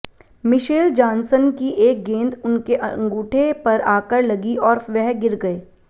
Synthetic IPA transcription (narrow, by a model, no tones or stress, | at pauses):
mɪʃeːld͡ʒãːnsənkiʔeːk̚ɡẽːnd̪ʊnkeʔɐ̃ŋɡuːʈʰepɐɾaːkəɾlɐɡiɔːɾʋɛɦɡɪɾɡɐeː